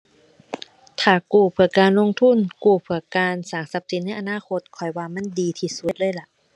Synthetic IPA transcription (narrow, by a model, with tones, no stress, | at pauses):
t̪ʰaː˨˩kuː˧˩pʰɯ˧˩əkaː˨nlo˧˥˨ŋt̪ʰu˧˥˨nkuː˧˩pʰɯ˧˩ɐkaː˧nsaː˨˩˦ŋsa˧˥p̚si˨˦n̚a˧˥˨ʔa˧naː˧˥˨kʰo˧˥t̪̚kʰɔ˨˩jwaː˧ma˧˥˨ndiː˨˧t̪ʰiː˧˩su˧˦˨lɤː˧˥˨jla˧˩ʔ